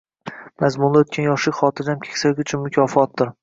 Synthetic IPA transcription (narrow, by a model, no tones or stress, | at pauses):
mazmʊnlaot̪̚kʰʲanjɒʃlɪkʲχɒːt̪ʰɪɾd̪amkʲʰe̥kʲsaɡʲʊt͡ʃʰʊnmʊkʲʰɒːfɒt̪̚d̪ɪɾ